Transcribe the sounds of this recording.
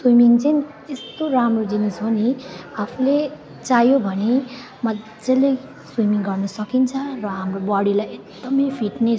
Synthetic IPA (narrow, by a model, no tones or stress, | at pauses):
swimiŋt͡sʌni | est̪oɾamrod͡zinusoniapʰule | t͡sajobʱʌne | mʌ | d͡zele | swimiŋɡʌrnʌsʌkint͡sʰʌrʌɦamrobʌɽilajeɡd̪ʌmʌjpʰiʈne